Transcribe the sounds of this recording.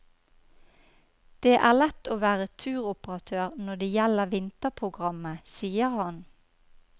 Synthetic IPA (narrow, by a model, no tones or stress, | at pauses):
d̪̥eːʔæːʁlɛt̪oːʋæːʁət̪ʰʉːʁʊpəʁɑt̪ʰøːʁnɔd̪eːjæləʁʋɪnt̪əpʰʁʊɡʁɑməsiːəʁhɑn